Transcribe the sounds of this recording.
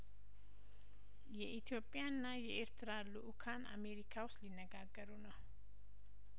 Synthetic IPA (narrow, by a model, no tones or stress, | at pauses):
jɛʔit̪ʰjo̞pʼːjanːajɛʔeɾt̪ʰɨɾalːuʔukʰana̰me̞ɾikʰawʊst̪linːəɡaɡːəɾunəw